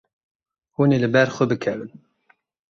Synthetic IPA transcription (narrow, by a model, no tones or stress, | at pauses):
unelɨbɛɾxʷəbɨkʰɛvɨn